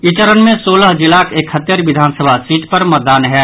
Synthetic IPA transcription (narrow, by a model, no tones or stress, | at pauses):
ɪt͡ʃəɾənmẽsoːləɦd͡ʒɪlaːkeːkhɐt̪jəɾʋɪd̪ʱaːnsəbʱasiːʈpɐɾmɐt̪̚d̪aːnɦɛː